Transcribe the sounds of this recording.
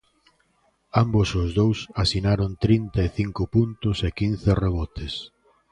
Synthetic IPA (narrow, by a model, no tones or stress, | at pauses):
ambʊsʊzðowsasinaɾʊnt̪ɾint̪aeθiŋkʊpunt̪ʊsekin̟θɪreβɔt̪ɪs